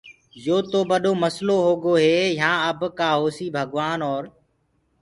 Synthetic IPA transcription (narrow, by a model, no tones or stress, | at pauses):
joːt̪oːbəɗoːməsloːɦoːɡoːɦeːjãːəbkaːɦoːsiːbʱəɠʋaːnɔːɾ